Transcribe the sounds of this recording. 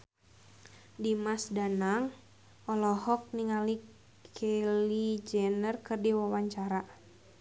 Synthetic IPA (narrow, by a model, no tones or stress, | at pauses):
dimasdanaŋ | ɔlɔɦɔk̚niŋali | kʰelid͡ʒɛnərkɨrdiwawaɲt͡ʃaɾa